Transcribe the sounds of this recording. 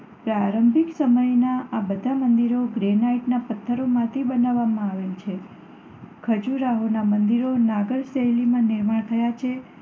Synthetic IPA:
pɾaɾəmbʱiksəməjnaabəd̪ʱamənd̪iɾoɡɾenaiʈnapət̪ʰːəɾomãt̪ʰibənaʋːamãaʋelt͡ʃʰe | kʰəd͡ʒuɾaɦonamənd̪iɾonaɡəɭseɦlimãniɾmaɳt̪ʰəjat͡ʃʰe

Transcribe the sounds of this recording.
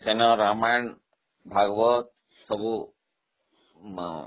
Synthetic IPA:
senɔɾamajɳ | bʱaɡbɔt̪̚ | sɔbu

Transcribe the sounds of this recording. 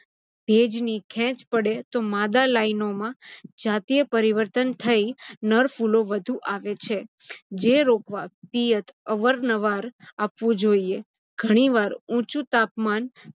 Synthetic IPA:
b̥ʱed͡ʒnikʰɛ̃t͡ʃpəɽet̪omad̪alainomãd͡ʒat̪ijəpəɾiʋəɾt̪ənt̪ʰəinəɾfuloʋəd̪ʱũʔaʋet͡ʃʰe | d͡ʒeɾokʋapijət̪ʰəʋəɾnəʋaɾapʋũd͡ʒoie | ɡʱəɽ̃iʋaɾũt͡ʃũt̪apman

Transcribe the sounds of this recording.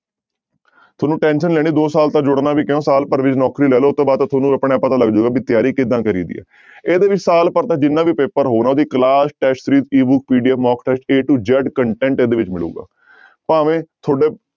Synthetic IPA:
t̪ʰoːnũːʈɛːnʃənlɛːɽ̃iːd̪oːsaːlt̪ãːd͡ʒʊɽnaːbiːkɪõːsaːlpəɾʋɪt͡ʃnɔːkɾiːlɛːloːt̪ːõːbaːd̪̚t̪aːt̪ʰoːnũːəpɳeːpət̪aːləɡd͡ʒoːɡaːbiːt̪ɪjaːɾiːkɪd̪ãːkəɾḭːd̪ḭːɛ̰ː | eːd̪eːʋɪt͡ʃsaːlpəɾt̪ãːd͡ʒɪnːãːʋiːpeːpəɾɦoːnaːʊsiːkəlaːsʈɛːʃsɾiːt̪iːbʊk̚piːɖiːɛːpʰmɔːkʈɛːʃʈeːʈud͡ʒɛːɖkəɳʈɛ̃ːɳʈeːd̪eːʋɪt͡ʃmɪlṵːɡa̰ː | pãːʋẽːt̪ʰoːɖeː

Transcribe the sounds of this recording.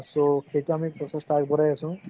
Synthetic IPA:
soxejtuamik̚pɔsesʈakbɔɾajasũ

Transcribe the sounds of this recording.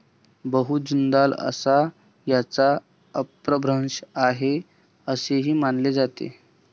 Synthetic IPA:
bəɦut̪̚d͡ʑund̪alə̰sa | jat͡sa | əpɾəbʱɾənɕaɦe | əseɦiːmanled͡zat̪ḛ

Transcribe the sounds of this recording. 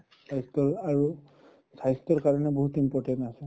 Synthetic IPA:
sajstɔɹaɹu | sajstɔɹkaɹɔnɛboɦutimpɔɹʈɛntasɛ

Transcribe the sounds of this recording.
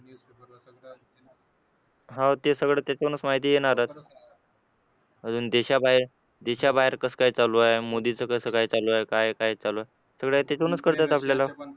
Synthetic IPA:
ɦãwt̪esəɡɭet̪jat͡ɕakunət͡smaɦit̪iːjeɳ̃aɾat̪ | əd͡zuːnd̪eɕabaɦiɾ | d̪eɕabaɦeɾkəskaɦit͡saloaemod̪it͡səkəsəkajt͡saloaekajkajt͡saloae | səɡɭet̪jat͡ɕakunət͡skəɾt̪at̪apljala

